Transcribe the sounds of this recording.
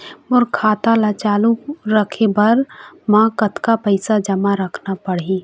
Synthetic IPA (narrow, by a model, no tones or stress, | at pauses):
ʊɾkʰaːt̪alat͡ʃaːluɾəkʰebɐɾmãːkət̪kapəɪsad͡ʒɐmaɾəkʰnapəɽɦi